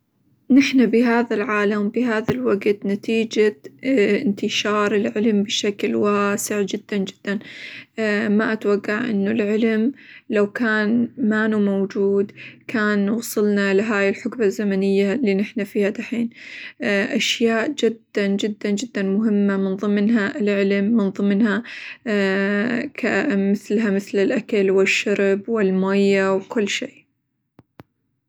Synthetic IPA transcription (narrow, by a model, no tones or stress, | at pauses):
nɪħnabɪɦaːðalʕaːlambɪɦaːðalwaɡt̪nat̪iːd͡ʒa | ɪnt̪ɪʃɑːɾˤɪlʕɪlmbɪʃaklwaːsɪʕd͡ʒɪd̪̥ːand͡ʒɪd̪̥ːan | maʔat̪waɡːaʕʔɪ̰nːʊlʕɪlmlawkaːnmaːnumowd͡ʒuːd̪kʰaːnwɑsˤɨlnalɪɦaːjɪlħʊkbazːamanɪjːalːiːnɪħnafiːhad̪aħiːn | ʔaʃjaːʔd͡ʒɪd̪ːand͡ʒɪd̪ːand͡ʒɪd̪ːanmʊɦɪmːamɪnðˤɨmnɦaʔɪlʕɪlmːɪnðˤɨmnha | kʰamɪθlɦamɪθlɪlʔakalwɪʃːaɾbwɪlmajːawkʊlːʃeː